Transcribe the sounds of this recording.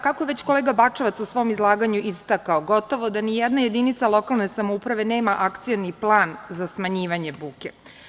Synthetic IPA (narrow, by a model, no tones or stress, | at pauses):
kakojeʋet͡ɕko̞leːɡabat͡ʂaʋat̪susʋo̞mizlˠaːɡaɲuʔist̪akaoɡo̞t̪o̞ʋo̞d̪anijɛd̪naje̞d̪init̪salo̞kalˠne̞samoupɾaʋe̞ne̞ːmaʔakt̪sijoniplˠaːnzasmaɲiːʋaɲe̞buːke̞